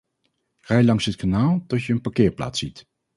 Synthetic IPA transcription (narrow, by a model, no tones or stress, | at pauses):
rajlɑŋsɦətkanaːlˠtɔtjəənpaɹkɪːɹpla̰ːtsit